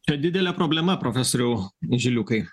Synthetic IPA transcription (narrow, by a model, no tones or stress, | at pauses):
t͡ʃʲɛd̪ʲɪd̪ʲɛlʲɛpɾoːbʲlʲɛmɐpɾofʲɛsoːɾʲɛʊʒʲɪlʲʊkɐɪ